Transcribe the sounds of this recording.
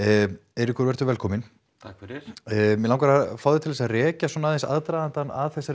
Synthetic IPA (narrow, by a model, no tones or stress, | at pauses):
ɛɾɪhkʰʏɾvɛɾ̥t̪ʏɾvɛlkʰɔːmɪn | t̪ʰakvɛɾɪmɛlãwkaɾafawðʏt̪ʰɪlɛsaðrɛːcasɔnaðɛnsa̰ðt̪ɾajðant̪anaðθɛsːa